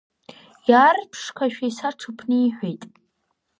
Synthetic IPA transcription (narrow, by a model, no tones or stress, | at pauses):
jaːrpʰʂkʷʰaʃᶣaisaʈ͡ʂʰɨpʰnɨiħʷᶣejtʼ